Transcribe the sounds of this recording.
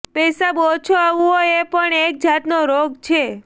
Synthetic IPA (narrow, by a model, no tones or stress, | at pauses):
pɛsabot͡ʃʰoaʋũoepəɳek̚d͡ʒat̪noɾoɡt͡ʃʰe